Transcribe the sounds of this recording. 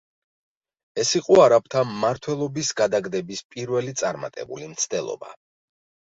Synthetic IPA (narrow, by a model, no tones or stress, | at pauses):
ɛsiqʼɔaɾap̚ʰt̪ʰamːaɾt̪ʰwɛlˠɔbisɡad̪aɡd̪ɛbispʼiɾvɛlit̪sʼaɾma̰t̪ʼɛ̰bṵlimt̪sʰd̪ɛlˠɔ̰ba̰